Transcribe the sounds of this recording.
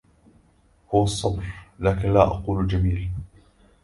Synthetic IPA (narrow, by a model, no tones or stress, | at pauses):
hʊwɑsˤːɑbɾlaːkɪnlaːʔɑ̰quːld͡ʒamiːl